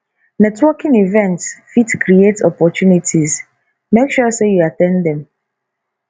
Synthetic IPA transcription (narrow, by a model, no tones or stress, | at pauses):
nɛtwɔkĩnivɛ̃ntsfitkʰɾietɔpɔtjunitʰiz | mekʃɔsejuatɛ̃ndɛ̃m